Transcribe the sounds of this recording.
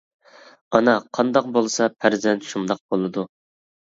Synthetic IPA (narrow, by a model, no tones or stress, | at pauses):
ɑnɑqʰɑnd̪ɑq̚bolˠsɑpʰæɾzɛnt̪ʃund̪ɑq̚b̥olˠɨd̪u